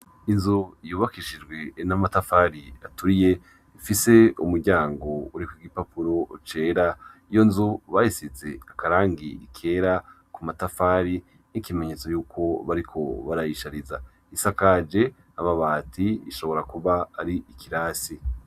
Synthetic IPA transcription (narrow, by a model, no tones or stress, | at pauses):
inzuijuːβakiʃid͡ʒɡwe̞namatafaːɾiatuɾije̞ | ifise̞umuɾɟaːŋɡo̞uɾikwiɡipapuɾo̞t͡ʃe̞ːɾaijo̞nzuβahisize̞̰akaɾaːŋɡiḭkʰe̞ːɾa | kumatafaːɾi | nikime̞ɲe̞t͡so̞juːkʰo̞βaɾikʰo̞̰βaɾajiʃaɾiza | isakad͡ʒe̞ | aβaβaːtʰiḭʃo̞βo̞ɾakuβaːɾiikiɾaːsi